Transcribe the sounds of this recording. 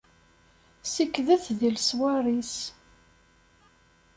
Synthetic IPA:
sikːðəθðilswaɾˤis

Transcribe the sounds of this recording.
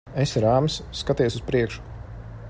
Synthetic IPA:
esɾaːmsːkat̪iɛsuspɾiɛkʃu̥

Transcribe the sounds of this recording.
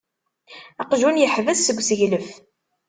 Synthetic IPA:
ɑqʒunjəħvəθsəɡʷsəʝləf

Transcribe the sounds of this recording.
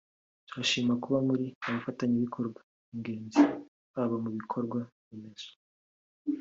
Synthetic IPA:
tuɾaʃiːmakuβamuɾiaβafataɲiβikʰo̞ɾɡwḁ | iŋɡe̞ːɲzi | βaβamuβikʰo̞ɾɡwa | imez̥o̥

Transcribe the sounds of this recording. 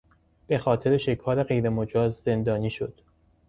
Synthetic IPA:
b̥e̞xɒːt̪ʰe̞ɾeʃe̞kʰɒːɾe̞ɣe̞jɾe̞mod͡ʒɒːzze̞nd̪ɒːniːʃo̞d̪̥

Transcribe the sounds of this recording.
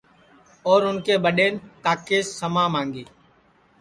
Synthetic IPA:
ɔːɾʊnkeːɓəɗeːnkaːkeːsːəmãːmaːŋɡeː

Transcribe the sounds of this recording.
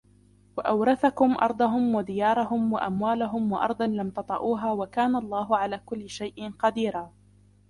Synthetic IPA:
waʔawɾɑθakʊmʔɑ̰ɾˤd̪ˤɑɦʊmwad̪ɪjɑːɾˤɑɦʊmwa̰ʔamwaːlaɦʊmwɑʔɑ̰ɾˤd̪ˤɑnlamt̪ɑt̪ˤɑ̰ʔuːɦaːwakaːnaʔlˤːɑːɦʊʕalaːkʊlːɪʃajʔɪnqɑd̪iːɾaː

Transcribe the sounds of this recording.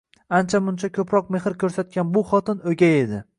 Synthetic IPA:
ant͡ʃʰamʊnt͡ʃʰakʰʲɵpʰɾɒq̚me̞hɪɾkʲʰɵɾsat̪̚kʲanbʊχɒt̪ʰɪnɵɡʲae̞d̪ɪ

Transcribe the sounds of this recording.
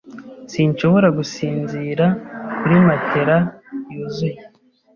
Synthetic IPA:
siɲʃo̞βo̞ɾaɡusiːnziːɾakuɾimatʰe̞ɾajuzuje

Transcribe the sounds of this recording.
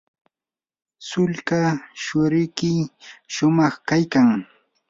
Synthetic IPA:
sʊʎkaʃʊɾɪjkɪʃʊmɑχkajkaŋ

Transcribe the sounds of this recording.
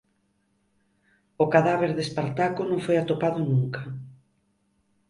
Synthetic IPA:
okaðaβeɾðespaɾt̪akʊnõŋfojat̪opaðʊnuŋka

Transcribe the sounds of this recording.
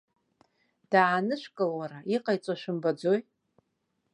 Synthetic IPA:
d̥aːnɨʃʷkʼɨlwaɾaiqʼajt͡sʷʼaʃʷᶣɨmbad͡zoj

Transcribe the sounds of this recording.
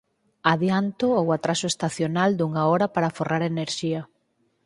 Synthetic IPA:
aðjant̪ʊowat̪ɾasʊest̪aθjonald̪uŋaɔɾɐpaɾaforaɾeneɾʃiɐ

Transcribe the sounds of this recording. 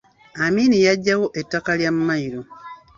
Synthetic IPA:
amiːnijaɟːawo̞ʔetːakaljamumaiɾo

